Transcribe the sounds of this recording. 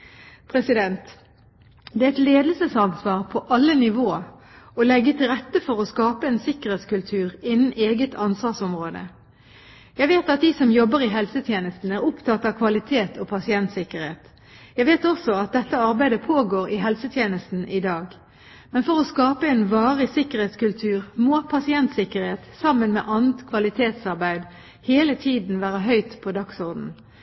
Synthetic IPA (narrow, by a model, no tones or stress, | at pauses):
pʰʁɛsɪd̪ɛnt̪ | d̪ɛːæɛɪt̪leːd̪əlsəsɑnsʋɑːʁpʰɔʔɑlːənɪʋoː | ɔlɛɡːət̪ʰɪlʁɛt̪ːəfɔʁɔskɑːpəɛːnsɪkəʁeːt̪skʉlt̪ʰʉːʁɪnːn̩ʔeːɡət̪ʰɑnsʋɑsɔmʁoːd̪ə̰ | jæɪʋeːt̪ɑt̪̚d̪iːsɔmjɔbəʁɪɦɛlsət̪ʰjeːnəst̪n̩æʁʊpt̪ʰɑt̪ːɑʋkʰʋɑlɪt̪ʰeːt̪ʰɔpʰɑsɪɛnt̪sɪkəʁheːt̪ | jæɪʋeːt̪ɔsɔɑt̪̚d̪ɛt̪ːəɑʁbæɪd̪əpʰoːɡoːʁɪɦɛlsət̪ʰjeːnəst̪n̩ʔɪd̪ɑːɡ | mɛnfɔʁɔskɑːpəɛːnʋɑːʁəsɪkəʁheːt̪skʉlt̪ʰʉːʁmoːpʰɑsɪɛnt̪sɪkəʁheːt̪sɑmːənmḛːʔɑnət̪kʰʋɑlɪt̪ʰeːt̪sɑʁbæɪd̪ | heːlət̪ʰiːd̪n̩ʋæːʁəɦœʏt̪pʰod̪ɑksʊʁd̪n̩